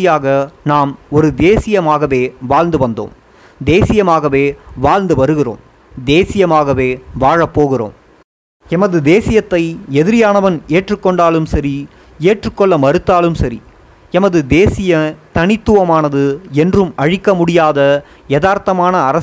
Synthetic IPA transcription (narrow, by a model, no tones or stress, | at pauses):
ɪjaːɣɐnaːmɔɾɯd̪eːsɪjɐmaːɣɐʋeːʋaːɻnd̪ɯʋɐnd̪o̰ːm | d̪eːsɪjɐmaːɣɐʋeːʋaːɻnd̪ɯʋɐɾɯɣɪro̰ːm | d̪eːsɪjɐmaːɣɐʋeːʋaːɻɐpːoːɣɪro̰ːm | ɛmɐðɯd̪eːsɪjɐt̪ːɐɪɛðɪɾɪjaːnɐʋɐneːʈrɯkːɔɳɖaːlɯmsɐɾi | eːʈrɯkːɔɭːɐmɐɾɯt̪ːaːlɯmsɐɾi | ɛmɐðɯd̪eːsɪjɐt̪ɐnɪt̪ːɯʋɐmaːnɐðɯɛndrɯmɐɻɪkːɐmʊɽɪjaːðɐ | ɪjɐðaːɾt̪ɐmaːnɐːɾɐ